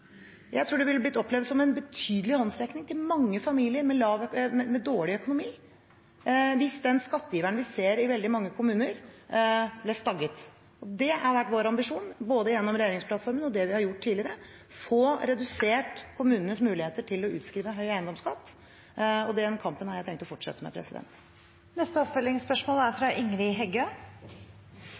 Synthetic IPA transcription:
jʔæ̰ɪt̪ʰɾuːɖɛʋɪləblɪt̪ːɔpːlɛʋd̪sɔmɛnbət̪ʰyːd̪əlɪhɑnsɾɛknɪŋt̪ɪlmɑŋːəfɑmiːlɪəɾmɛlɑːʋmɛmɛd̪oːɭɪœkʊnʊmiː | ʋɪsd̪ɛnskɑt̪ːjiːʋæɳʋɪseːɾɪʋɛld̪ɪmɑŋːəkʰʊmʉːnəɾ | blɛst̪ɑɡət̪ | ɔd̪ɛæɾʋæʈːʋoːɾɑmbɪʂuːnboːd̪əjɛnːɔmɾɛjeːɾɪŋspʰlɑt̪fɔɾmənɔd̪ɛʋɪhɑɾjʊʈʰːiːlɪɾə | foːɾɛd̪ʉseːʈkʰʊmʉːnənəsmʉːlɪheːt̪əʈʰɪlɔʉ̰ːt̪skɾiːʋəɦœʏæɪnd̪ɔmskɑt̪ː | ɔd̪ɛɛnkʰɑmpənhɑɾjæɪt̪ʰɛŋt̪ɔfɔʈʂɛ̰t̪ːəmɛ̰pʰɾɛ̰sɪd̪ɛ̰nt̪ | nɛst̪əɔpfœlɪŋspœʂmoːlæɾfɾɑʔɪŋɾɪɦɛɡø

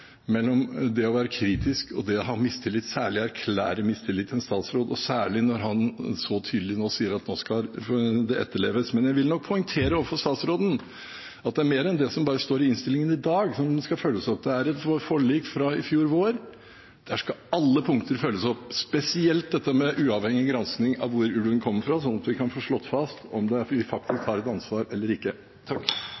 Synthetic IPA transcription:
mɛlːɔmd̪ɛɔʋæːɾəkʰɾiːt̪ɪskɔ̰d̪ɛɦɑmɪst̪ʰɪlːɪt̪ːsæːɭɪæɾkʰlæ̰ːɾəmɪst̪ʰɪlːɪt̪ʰːɛnst̪ɑːt̪sɾoːd̪ɔsæːɭɪnɔɾɦɑnsɔt̪ʰyːd̪əlɪnoːsiːəɾɑt̪noːskɑd̪ɛʔɛ̰t̪ːəɭeːʋəsmɛnjæɪʋɪlnɔk̚pʰɔʏŋt̪ʰeːɾəoːʋəfɔɾst̪ɑːt̪sɾoːd̪n̩ | ɑt̪̚d̪ɛæɾmeːɾɛnd̪ɛsɔmbɑːɾəst̪oːɾɪɪnst̪ɪlɪŋənɪd̪ɑːɡsɔmskɑføːlːəsɑt̪̚d̪ɛæɾɛt̪ʋfɔɭiːkfɾɑɪfjuːɾʋoːɾ | d̪̥ɛæʂkɑɑlːəpʰʊŋkt̪əɾføːlːəsɔpspɛsɪɛlt̪̚d̪ɛt̪ːəmɛʔʉːɑʋhɛŋːɪɡɾɑnsknɪŋɑ̰ʋʋʊɾʉːɖ̪ʉːnkʰɔmːəɾfɾɑsɔnːɑt̪ʋɪkʰɑnfoːʂɭɔt̪ːfɑst̪ɔmd̪ɛʋɪfɑk̚t̪ʰɪskhɑːɾɛt̪ɑnsʋɑːɾɛlːəɾɪkːə | t̪ʰɑkː

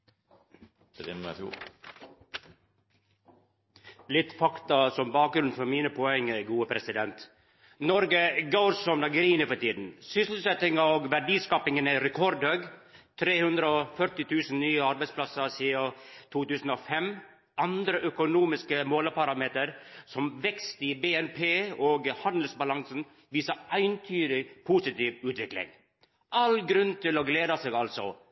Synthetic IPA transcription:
lɪt̪ːfɑkt̪ɑsɔmbɑːk̚ɡɾʉnfɔɾmiːnəpʰɔɛŋːəɡuːəpʰɾɛsɪd̪ɛnt̪ | nɔɾɡəɡɑʊɾsɔmnɑɡɾiːnəfɔʈiːd̪n̩sʏsl̩sɛt̪ɪŋɑoːɡʋæɖiːskɑpɪŋənæɪɾɛkʰɔɾd̪høɡt̪ʰɾeːhʉnd̪ɾəɔfœɾʈɪt̪ʰʉːsn̩nyːəɑɾbæɪspʰlɑsəsiːɑt̪ʰuːt̪ʉːsn̩ɔfɛm | ʔɑnd̪ɾəʔœkʊnuːmɪskəmoːləpɑɾɑmeːt̪əɾsɔmʋɛkst̪ɪbeːɛnpʰeːoːɡhɑnd̪əl̩sbɑlɑŋsən | ʋiːsɑæɪnt̪ʰyːɾɪpʰusɪt̪iːʋʉːt̪ʋɪklɪ̰ŋ | ɑlɡɾʉnːt̪ʰɪlɔɡleːd̪ɑseːɡɑlsɔ̰

